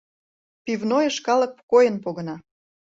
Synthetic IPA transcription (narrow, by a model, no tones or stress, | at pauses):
pivnojəʃkɑlə̆k̚pkojənpoɣə̆nɑ